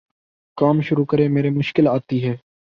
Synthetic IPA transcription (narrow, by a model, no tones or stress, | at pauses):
kaːmʃʊɾukəɾemeːɾemʊʃkɪlaːt̪iɦɛː